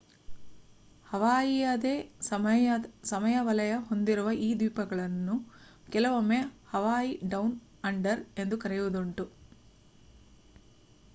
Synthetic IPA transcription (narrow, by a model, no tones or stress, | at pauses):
hɐʋaːjijɐd̪eːɐsɐmɐjɐʋɐlɐjɐɦo̞nd̪iɾuʋɐʔiːd̪iːpɐɡɐɭɐnːu | kɛlɐʋomehɐʋaːjiɖɐwn | ɐɳɖɐɾe̞nd̪ukɐɾɛjʋud̪uɳʈu